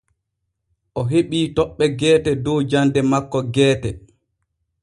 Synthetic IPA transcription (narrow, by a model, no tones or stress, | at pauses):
ʔɔɦeɓiːtɔɓːɛɡɛːtɛdɔwd͡ʒandɛmakːɔɡɛːtɛ